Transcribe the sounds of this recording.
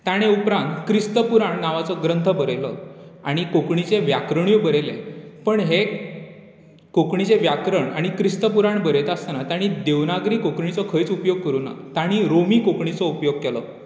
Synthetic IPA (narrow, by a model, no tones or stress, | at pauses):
t̪jaɽ̃eupɾãnt̪kɾist̪əpuɾaɳnaʋat͡sɔɡɾənt̪ʰəbəɾjlɔaɽ̃ikokɳit͡seʋjakɾəɽ̃ibəɾelepəɳɦe | kokɳit͡seʋjakɾəɳa̰ɽ̃ikɾist̪əpuɾaɳbəɾet̪ast̪anat̪jaɽ̃id̪eʋnaɡɾiːkokɳit͡sɔkʰəjt͡supjoɡ̚kəɾuːna̰t̪aɽ̃iɾomiːkokɳit͡sɔupjoɡ̚kɛlɔ